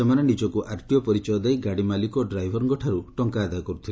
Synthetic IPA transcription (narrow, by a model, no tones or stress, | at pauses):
emanenid͡ʒɔkuʔʔaɾt̪iɔpɔɾit͡ʃɔɔd̪ajɡaɽimalikɔɖɾajbʱɔɾŋɡɔʈʰaɾuʈɔŋkaːd̪ajɔkɔɾut̪ʰil